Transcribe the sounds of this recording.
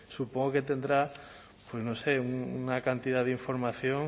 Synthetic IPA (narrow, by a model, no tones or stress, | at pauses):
supoŋɡoket̪e̞nd̪ɾa | pwe̞znose̞uŋnakant̪iðaðiɱfo̞ɾmaθjoŋ